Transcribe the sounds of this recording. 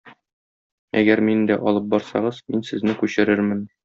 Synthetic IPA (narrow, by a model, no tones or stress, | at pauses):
æɡæɾmind̪æʔɒlˠɤp̚bɒɾsɑ̰ʁɤz̥minsɘ̆znɘkʉɕɘ̆ɾɘɾmɘn